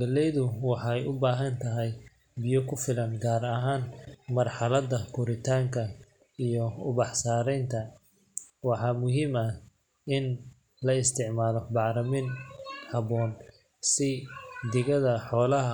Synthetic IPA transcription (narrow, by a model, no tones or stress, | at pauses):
ɡɐlɛjðʊwɑħɑjʊbaːɦɐnt̪ʰɐɦɛj | bɪjɔkʰʊfɪlɐnɡaːɾɐɦaːnmɐrħɑlɐd̪ɐkʰʊɾɪt̪ʰaːŋkʰɐ | ijɔʊβɑħsaːɾɛjnt̪ʰɐ | wɑħɑmʊɦiːmɐ | ɪn | lɐɪst̪ʰɪʕmaːlɔbɑʕɾɐmɪnhɐβɔːn | sɪd̪ɪɣɐðɐħɔːlɐɦɐ